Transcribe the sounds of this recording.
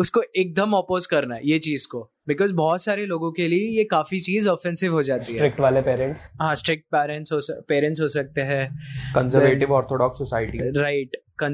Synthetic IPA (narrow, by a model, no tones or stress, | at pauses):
ʊskoʔeːk̚d̪əmɔːpoːzkɐɾnaɦɛ̰jet͡ʃiːzko | bɪkɔːzbɔːt̪saːɾeloːɡõkeliejekaːfit͡ʃiːzɔːfɛ̃nsɪʋɦod͡ʒaːt̪iɦɛɾɪk̚ʈʋaːlepeːɾɛ̃ɳʈsɦãsʈɾɪk̚ʈ̚pɛːɾɛ̃ɳʈsɦoːspeːɾɛ̃ɳʈsɦoːsɐk̚t̪eɦɛ̃ːkə̃nzəɾʋeːʈɪʋɔːɾt̪ʰoɖɔːksːɔsaːɪʈiɾaɪʈkə̃n